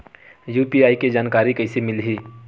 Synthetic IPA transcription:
juːpiaːiked͡ʒaːnkaːɾikəɪsemɪlɦi

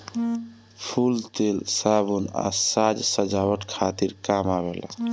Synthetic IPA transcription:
pʰult̪elsabuna̰sad͡ʒsəd͡ʒawəʈkʰat̪iɾkamabela̰

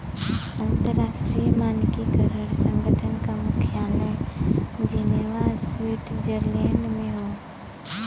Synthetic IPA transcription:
ɐ̃nt̪əɾːaːsʈɾijəmaːnkikəɾəɽsə̃ŋɡʱəʈʰənkamʊkʰijaːlɛ | d͡ʑiːnaʋaːzsʋiːʈd͡ʒəɾleːɳɖmẽɦoː

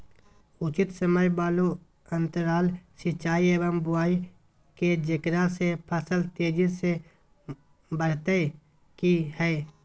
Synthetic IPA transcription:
ʊt͡ʃɪt̪səməjbaːlo | ə̃nt̪əɾaːlsɪt͡ʃaːieːʋəmbʊaːi | ked͡ʒɪkɾasepʰəsəlt̪eːd͡ʒise | bəɽ̤t̪e | kihɛː

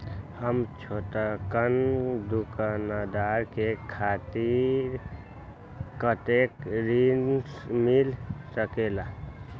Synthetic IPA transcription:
həmt͡ʃʰoʈakənd̪ukanad̪aɾkekʰat̪iɾ | kət̪ekɾinmilsəkela

